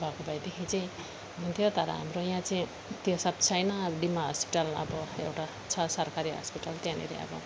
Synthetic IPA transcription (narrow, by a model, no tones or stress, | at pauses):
bʱakobʱajd̪ekʰit͡saj̃ | ɦunt̪ʰjot̪ʌɾʌ̰ɦa̰mɾojãt͡saĩ | t̪josab̚t͡sʰʌjnʌɖimaɦʌspiʈalʌ̰bʌewʈa | t͡sʰʌsʌɾkaɾiɦʌ̰spiʈalt̪jãnḭɾḛʌ̰bʌ̰